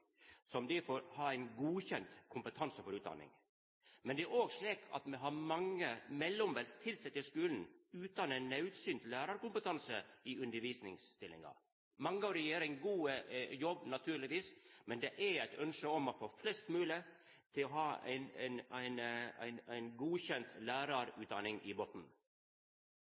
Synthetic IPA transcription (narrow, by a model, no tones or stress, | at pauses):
sɔmd̪ɪfoːɾhɑːæɪnɡuːçɛnt̪kʰʊmpət̪ʰɑnsəfɔɾʉːt̪d̪ɑ̰nɪ̰ŋ | mɛnd̪ɛæɾoːɡsliːkʰɑ̰t̪mɛɦɑɾmɑŋːəmɛlːɔmʋɛlst̪ʰɪlsɛt̪ːəskʉːln̩ʉːt̪d̪ɑnænːɑʉt̪syːnt̪læːɾɑɾkʊmpət̪ʰɑnsəɪʉnd̪əɾʋiːsnɪ̰ŋst̪ɪlːɪ̰ŋɑ̰ | mɑŋːəɑʋɾɛjeːɾɪŋɡuːjɔbːnɑt̪ʰʉːɾɭɪʋiːsmɛnd̪ɛʔæɾæɪt̪ʰœnʂəɔmɑfoːflɛst̪mʉːlə | t̪ʰɪlɔɦɑːæ̰ɪnnæɪnæ̰ɪnæɪnɡuːçɛnt̪læːɾɑɾʉːt̪̚d̪ɑnɪŋʔɪ̰boːt̪n̩